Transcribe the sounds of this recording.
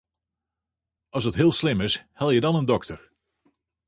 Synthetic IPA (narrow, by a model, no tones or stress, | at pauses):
ɑlˠsətɦɪːlˠslɪmɪshɛlˠjədɑnəndɔktəɹ